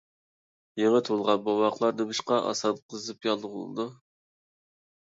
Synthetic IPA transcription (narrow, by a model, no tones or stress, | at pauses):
jeŋət̪ʰolˠʁɑnbɑwɑqlˠɑɾd̪ɨbɨʃqɑʔɑ̰sɑnqʰəzɨpjɑlˠʁʊlˠɨ̰d̪u